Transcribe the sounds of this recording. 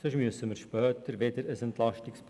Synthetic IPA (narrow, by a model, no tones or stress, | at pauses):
søʃmyəsəməɾʃpœːt̪əɾʋed̪əɾəsɛntlɑʃtɪksp